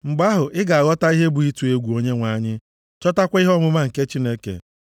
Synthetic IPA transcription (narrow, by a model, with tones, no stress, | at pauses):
ŋ͡m̩˨ɡ͡ba˦ɦʊ˨ʔɪ˦ɡa˨a˨ɣɔ˦ta˦i˦ɦe˦bu˨i˦tu˨e˦ɡʷu˨o˦ɲe˦ŋʷa˨ɲɪ˦ | t͡ʃɔ˦ta˦kʷa˦i˦ɦɔ˦mʊ˦ma˦ŋ̩˨ke˦t͡ʃi˦ne˦kḛ˨